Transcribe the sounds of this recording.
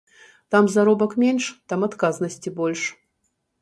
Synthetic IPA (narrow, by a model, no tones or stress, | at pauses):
t̪amzaɾɔbɐkmʲenʂt̪amat̪kaznɐsʲt͡sʲibɔlʲʂ